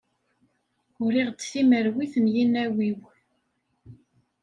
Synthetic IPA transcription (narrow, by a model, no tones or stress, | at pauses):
ʊɾiʁd̪θiməɾwiθəmjinæwiw